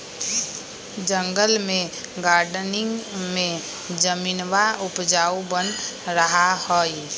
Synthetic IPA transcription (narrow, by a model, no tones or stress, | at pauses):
d͡ʒə̃ŋɡəlmẽɡaːɾɖnɪŋɡmẽ | d͡ʒəminwaʊpd͡ʒaːubənɾəɦahoːi